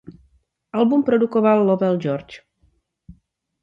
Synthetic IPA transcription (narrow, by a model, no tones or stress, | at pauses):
alˠbumpɾod̪ukoβalːɔvɛlˠd͡ʒɔɾt͡ʃ